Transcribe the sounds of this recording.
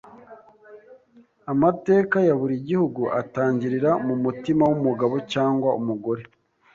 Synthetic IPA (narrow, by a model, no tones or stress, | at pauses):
amate̞ːkajaβuɾiɟihuɡuʔataːɲɟiɾiɾamumutimawumuɡaβo̞caːŋɡwaumuɡo̞ɾe̞